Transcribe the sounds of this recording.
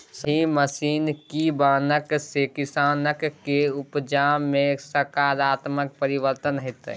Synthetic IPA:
sɦĩməsiːnkibaːnəksekɪsaːnəkːeʊpd͡ʒaːmːẽsəɾkaːɾaːt̪mək̚pəɾiʋəɾt̪ənɦɪt̪ː

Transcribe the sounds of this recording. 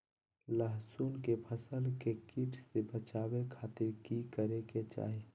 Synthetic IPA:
ləɦsuːnkepʰəsəlkekiʈʰsebət͡ʃaːwekʰaːt̪ɪɾkikəɾeket͡ʃa̰ːɦe

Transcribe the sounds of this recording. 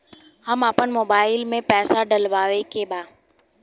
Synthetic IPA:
həmapənmoːbaːɪlmẽpɛːsaɖəlʋaːʋekebaː

